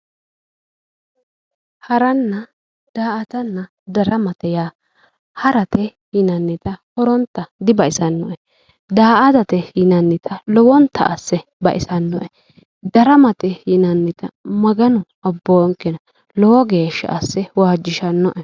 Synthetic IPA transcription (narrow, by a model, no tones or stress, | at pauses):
hɐɾɐnːɐ | d̪̥aːʔɐt̪ɐnːɐ | d̪ɐɾɐmɐt̪ɛjaː | hɐɾɐt̪ɛ | jɪnɐnːɪt̪ɐhɔɾɔnt̪ːɐd̪ɪbɐʔɪsɐnːɔʔɛ | d̪aːʔɐd̪ɐt̪ɛjɪnɐnːɪt̪ʰɐlɔwɔnt̪ʰːɐ̰ʔɐ̰sːɛbɐ̰ʔɪsɐnːɔʔɛ | d̪ɐɾɐmɐt̪ɛjɪnɐnːɪt̪ɐmɐɡɐnʊ | ɔbːɔŋkːɛnɐ | lɔwɔɡeːʃːɐ̰ʔɐsːɛwaːd͡ʒːɪʃɐnːɔʔɛ